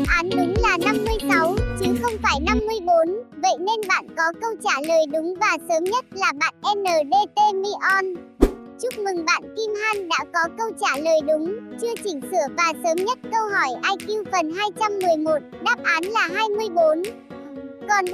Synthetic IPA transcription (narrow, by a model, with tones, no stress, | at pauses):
ʔaː˨˦nʔɨ˨˦ŋlaː˨˩na˧mːɨ˧əjsa˨˦wt͡ɕɨ˨˦xə˧wŋ͡mfaː˧˩jna˧mːɨ˧əjɓo˨˦nvə̰˧˨jne˧nɓa̰ː˧˨nkɔ˨˦kə˧wt͡ɕaː˧˩ləː˨˩jɗʊ˨˦ŋ͡mvaː˨˩səː˨˦mɲə˦˥t̚laː˨˩ɓa̰ː˧˨nʔɛ˧nːəː˨˩ɗe˧t̪e˧mi˧ʔɔ˧n | t͡ɕʊ˦˥k͡p̚mɨ˨˩ŋɓa̰ː˧˨nki˧mhaː˧nɗa̰ː˧˥kɔ˨˦kə˧wt͡ɕaː˧˩ləː˨˩jɗʊ˨˦ŋ͡mt͡ɕɨ˧ət͡ɕï˧˩ŋsɨ˧˩əvaː˨˩səː˨˦mɲə˦˥t̚kə˧wɦɔ˧˩jʔaː˧jki˧wfə˨˩nɦaː˧jt͡ɕa˧mːɨ˨˩əjmo˨˩t̚ɗaː˦˥p̚ʔaː˨˦nlaː˨˩ɦaː˧jmɨ˧əjɓo˨˦n | kɔ˨˩n